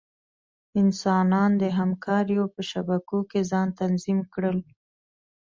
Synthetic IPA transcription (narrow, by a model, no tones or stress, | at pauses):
ɪnsɑnɑnd̪əɦamkʰɑɾjopəʃabakokezɑnt̪anzimkɽəl